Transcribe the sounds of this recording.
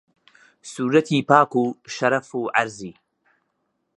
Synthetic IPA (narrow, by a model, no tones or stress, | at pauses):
suːɾɐt̪ʰiːpaːkuːʃɐɾɐfuːʕaɾziː